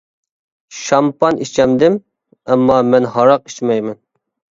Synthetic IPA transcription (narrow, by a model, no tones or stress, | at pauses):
ʃɑmpɑnit͡ʃʰɛmd̪ɪm | ɛmːɑmɛnɦɑɾɑq̚i̥t͡ʃmɛjmɛn